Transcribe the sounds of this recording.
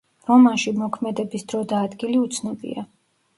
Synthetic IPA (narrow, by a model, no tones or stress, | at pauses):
ɾɔmanʃimɔkʰmɛd̪ɛbisd̪ɾɔd̪aːd̪ɡiliut̪sʰnɔbḭa